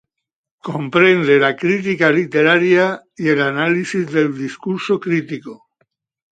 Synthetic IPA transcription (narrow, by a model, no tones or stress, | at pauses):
kompɾend̪elakɾit̪ikalit̪eɾaɾja | ielanalisizðe̞ld̪iskuɾsokɾit̪iko